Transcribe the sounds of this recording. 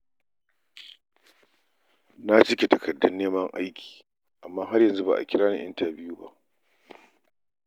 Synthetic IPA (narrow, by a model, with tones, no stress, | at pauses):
na˦t͡ʃɪ˦kʲe˨tɐ˨kɐ˨dːɐ˦nːeː˦mɐ˦ŋʔa̰˦jkʲi̥ː˨ | ʔa˨mːaː˦ɦa˦rjɐ˨nzu˦ba̰ː˨ʔa̰˨kʲɪ˦ɽaː˦nḭ˨ʔɪ̰˦ntaː˨bɪ˦ju˦ba̰˦ʔ